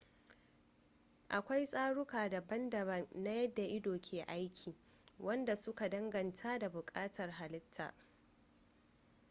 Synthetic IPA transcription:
ʔa˨kʷa˦jsʼaː˦ɽʊ˦kaː˨da˨bɐ˦ndɐ˨bɐ˦nːa˦jɐ˦dːa˨ʔɪ˦doː˨kʲʰeː˨ʔa˦jkʲʰiː˨ | wʔɐ˦nda˨sʊ˦ka˨dɐ˦ŋɡɐ˨ntʰa˦da˨bʊ˨kʼaː˦tɐ˨rɦa˨lɪ˦tʰːa̰ː˨ʔ

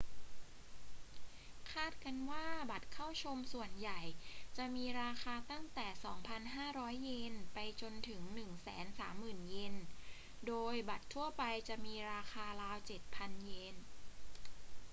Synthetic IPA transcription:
kʰaː˥˩t̪̚ka˧nwaː˥˩ba˨˩t̪̚kʰa˥˩wt͡ɕʰo˧msu˨˩ənja˨˩jt͡ɕa˨˩miː˧ɾaː˧xaː˧t̪a˥˩ŋt̪ɛː˨˩sɔː˩˦ŋpʰa˧nɦaː˥˩ɾɔː˦˥jːe˧npa˧jt͡ɕo˧nt̪ʰɯ˩˦ŋnɯ˨˩ŋsɛ̰ː˩˦nsaː˩˦mːɯː˨˩nje˧n | doː˧jba˨˩t̪ʰːu˥˩ɐpa˧jt͡ɕa˨˩miː˧ɾaː˧xʰaː˧laː˦˥wt͡ɕe˨˩t̪̚pʰa˧nje˧n

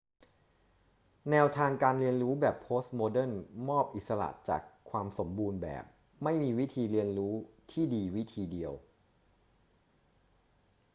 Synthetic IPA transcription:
nɛː˧wt̪ʰaː˧ŋkaː˧nɾi˧ənɾuː˦˥bɛː˨˩pʰːoː˦˥st̪̚moː˧dɤ˥˩nmɔː˥˩p̚ʔi˨t̪̚sa˧ɾa̰˨˩t͡ɕa̰ː˨˩kʰːwaː˧mso˩˦mbuː˧nbɛ̰ː˨˩p̚ | ma˥˩jmiː˧wi˦˥t̪ʰiː˧ɾi˧ənɾuː˦˥t̪ʰiː˥˩diː˧wi˦˥t̪ʰiː˧di˧əw

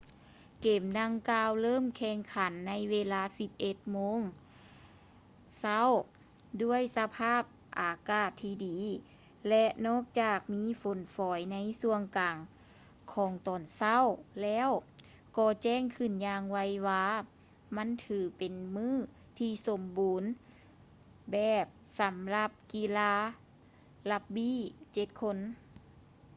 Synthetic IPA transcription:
keː˨˩mda˧ŋkaː˧wlɤː˥˨mkʰɛː˧˩ŋkʰa˨˦nːa˧˥jweː˧laː˧˥si˧p̚ʔe˧˩t̪̚moː˧˥˨ŋ | sa˧˥˨w | du˧˥˩əjsa˧pʰaː˥˩p̚ | ʔaː˨˩kaː˧˩t̪ʰːiː˧diː˨˦ | lɛ˧ʔnɔː˥˨k̚t͡ɕaː˨˩k̚miː˧˥˨fo˨˦nfɔː˨˦jna˧˥jsu˧əŋkaː˨˩ŋ | kʰɔː˨˦ŋt̪ɔː˨˩nsa˧˥˨wlɛː˧˥˨w | kɔː˧˩t͡ɕɛː˧˩˨ŋkʰɯ˧˩njaː˧ŋwa˧˥jwaː˧ | ma˧˥˨nt̪ʰɯː˨˩pe˨nmɯː˧˥˨ | t̪ʰiː˧so˨˧˦mbuː˨˦n | bɛː˨˩p̚sa˨˦mla˧p̚kiː˧laː˧˥ | la˧p̚biː˧˥˨t͡ɕe˧˦t̪̚kʰo˧˥˨n

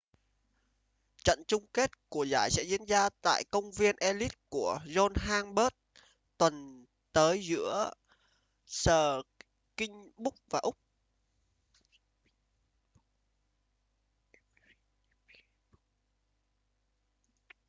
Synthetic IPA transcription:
t͡ɕə̰˧˨nt͡ɕʊ˧ŋ͡mke˦˥t̚ku˧˩əzaː˧˩jsɛ̰˧˥zḭ˧˥ənzaː˧t̪a̰ː˧˨jkə˧wŋ͡mvi˧ənʔɛ˧li˦˥t̚ku˧˩əzɔ˧nɦaː˧ŋɓə˦˥t̚ | t̪wə˨˩n | t̪əː˨˦jzɨ̰˧˥ə | səː˨˩ | kï˧ŋ̟ɓʊ˦˥k͡p̚vaː˨˩ʔʊ˦˥k͡p̚

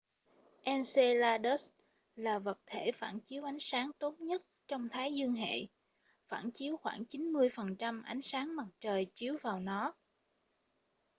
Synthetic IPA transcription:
ʔɛ˧nse˧laː˧ɗə˦˥s | laː˨˩və˨˩t̚t̪ʰe˧˩faː˧˩nt͡ɕi˨˦əwʔa˨˦jŋ̟saː˨˦ŋt̪o˦˥t̚ɲə˦˥t̚t͡ɕɔ˧wŋ͡mt̪ʰaː˨˦jzɨ˧əŋɦḛ˧˨ | fa̰ː˧˩nt͡ɕi˨˦əwxwaː˧˩ŋt͡ɕi˨˦nmɨ˧əjfə˨˩nt͡ɕa˧mʔa˨˦jŋ̟saː˨˦ŋma˨˩t̚t͡ɕəː˨˩jt͡ɕi˨˦əwvaː˨˩wnɔ˨˦

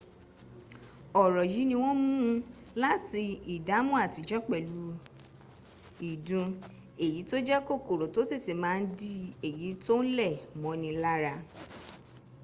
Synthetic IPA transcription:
ɔ˨ɾɔ˨ji˨˦nĩ˧w̃ɔ̃˦m̃ũ˦ | la˦ti˧i˨da˨˦mũ˦a˦˨ti˨˧d͡ʒɔ˦k͡pɛ˨lu˨˧˦ | i˨dũ˧ | e˨ji˨˦to˦d͡ʒɛ˦ko˦˨ko˨ɾo˨to˦ti˦˨ti˨mãː˨˦˧n̩˦di˦e˨ji˨˦to˦n̩˦lɛ˦˨mɔ̃˨˧˦nĩ˧la˦ɾa˧

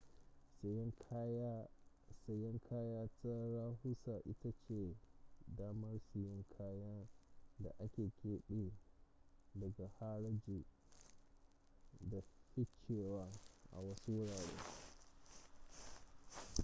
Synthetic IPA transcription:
sa˨jɛ˦ŋkʰaː˦jaː˦ta˦ɾaː˦ɦu˦sa˨ʔɪ˦ta˦t͡ʃe˨daː˦mɐ˦rsi˨jɔ˦ŋkʰaː˦ja˦da̰˨ʔa˦kʲeː˨kʲeː˦ɗeː˦ | dɐ˨ɡa˨ha˦ɽɐ˦d͡ʒi˨ | da˨ɸɪ˦t͡ʃeː˨waː˦ʔa̰˨wɐ˦su˦wʊ˦ɽaː˨ɽḛː˦

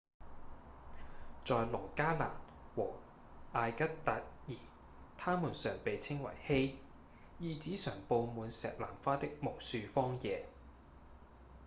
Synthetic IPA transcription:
t͡sɔː˨˧jlɔː˨˩kaː˥la̰ː˨˩n | wɔː˨˩ | ʔaː˧jkɐ˥t̚t̪ɐ˨˥t̚jiː˨˩ | t̪ʰaː˥muː˨˩nsœː˨˩ŋpe˨jt͡sʰɪ˥ŋwɐ̰˨˩jhe˥j | jiː˨˧t͡siː˨˥sœː˨˩ŋpo˧wmuː˨˧nsɛ̰ː˨k̚laː˨˩mfaː˥t̪ɪ˥k̚mo˨˩wsyː˧fɔː˥ŋjɛː˨˧

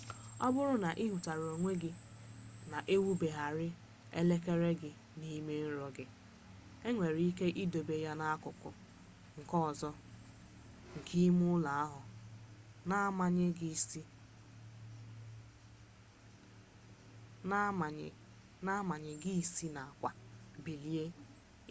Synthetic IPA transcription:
ɔ˦bʊ˦ɾʊ˦na˨ʔi˦ɦu˨ta˨ɾo˨ŋʷe˦ɡɪ˦ | na˨ʔe˦wu˦be˨ɦa˨ɾɪ˦ | ḛ˦le˦ke˦ɾe˦ɡɪ˨ | ni˦me˦n̩˦ɾɔ˨ɡɪ˨ | e˦ŋʷe˨ɾi˨˦i˦ke˦ʔi˦do˨be˨ja˦na˦kʊ˨kʊ̰˨ | ŋ̩˨kɔ˦˨zɔ˦ | ŋ̩˨kʰi˦mʊ˦la˨a˦ɦʊ˨ | na˦ma˨ɲ˦˨ | ɲ˨ | na˦ma˨ɲɪ˨ɡi˦i˨si˦na˨a˨kʷa˨bi˨li˨e˦

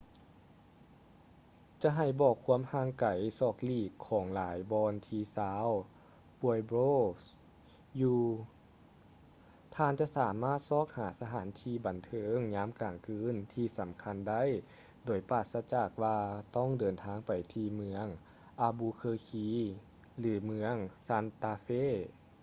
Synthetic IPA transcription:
t͡ɕa˧˦ɦa˧˨˩jbɔː˧˩kʰːu˧˥əmhaː˧˩ŋka˨˩˦jsɔː˧˩k̚liː˧˩kʰːɔː˩˦ŋlaː˨˦jbɔː˧nt̪ʰiː˧saː˨˧˦w | pu˧əjboː˧˥˨s | juː˧ | t̪ʰaː˧˨nt͡ɕa˧˨saː˩˦maː˥˩t̪̚sɔː˧˩k̚haː˩˦sa˧ɦaː˨˩˦nt̪ʰiː˧˩ba˨˩nt̪ʰɤː˨˦ŋɲaː˧˥mkaː˨˩ŋkʰɯː˧˥nt̪ʰiː˧sa˨˩˦mkʰa˧˥˨nda˥˩˨j | doː˨˩jpaː˧˩t̪̚sa˧˥t͡ɕaː˧˩k̚waː˧t̪ɔ˧˥˩ŋdɤː˨˩nt̪ʰaː˧˥ŋpa˨˩jt̪ʰiː˧mɯ˧əŋ | ʔaː˧buː˧kʰɤː˧kʰiː˧˥ | lɯː˨˩˦mɯ˧əŋsa˧˥˨nt̪aː˧feː˧˥˨

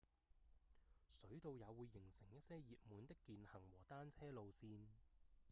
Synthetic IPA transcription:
sɵ˨˥ɥt̪o˧wjɐ˨˧wuː˨˧jːɪ˨˩ŋsɪ˨˩ŋjɐ˥t̚sɛː˥jjiː˨˧t̚muː˨˧nt̪ɪ˥kːiː˨˧nhɐ˨˩ŋwɔː˨˩t̪aː˥nt͡sʰɛː˥lo˨˧wsiː˧n

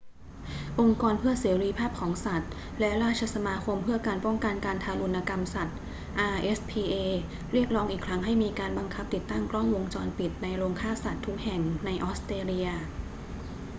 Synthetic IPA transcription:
ʔo˧ŋkɔː˧npʰɯ˥˩ɐseː˩˦ɾiː˧pʰaː˥˩p̚kʰɔː˩˦ŋsa˨˩t̪̚ | lɛ˦˥ɾaː˥˩t̪̚t͡ɕʰa˧sa˧maː˧kʰo˧mpʰɯ˥˩ɐka˧npɔ˥˩ŋka˧nka˧nt̪ʰaː˧lu˧nːa˧ka˧msa˨˩t̪̚ | ʔaː˧ʔe˦˥spʰiː˧ʔeː˧ | ɾi˥˩ək̚ɾɔː˦˥ŋʔiː˨˩kʰɾa˦˥ŋɦa˥˩jmiː˧kaː˧nba˧ŋkʰa˦˥p̚t̪i˨˩t̪ːa˥˩ŋklɔ˥˩ŋwo˧ŋt͡ɕɔː˧npi˨˩t̪̚na˧jɾoː˧ŋkʰaː˥˩sa˨˩t̪ʰːu˦˥k̚hɛ˨˩ŋna˧jʔɔː˦˥st̪ɾeː˧li˧ɐ

